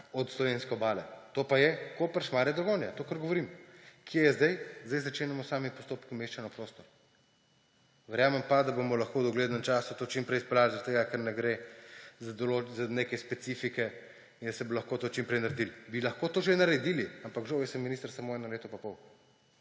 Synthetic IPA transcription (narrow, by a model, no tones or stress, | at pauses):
ɔt̪slɔʋenskɛɔbaːlɛt̪opajɛkoːpəɾsmaːɾjad̪ɾɔɡoːnjat̪oːkəɾɡoɔʋɔɾimkʰjejɛzd̪ajzd̪ajzat͡ʃeːnɛmɔsaːmipɔst̪oːpkimeːʃt͡ʃanɔpɾoːst̪ɔɾ | ʋɛɾjaːmɛmpad̪abomɔlɐxkoːwd̪ɔɡleːd̪nəmt͡ʃaːsut̪oːt͡ʃimpɾɛjsplaːlzɾat̪eːɡakəɾnɛɡɾezad̪olozaneːkɛspɛt̪sifikɛ | ind̪ɐsɛbolɐxkoːt̪oːt͡ʃimpɾɛjnɐɾed̪ilbilɐxkoːt̪oːʒenɐɾɛd̪iliampakʒoʋesəmːinist̪əɾsamoːɛnɐleːt̪ɔpapɔw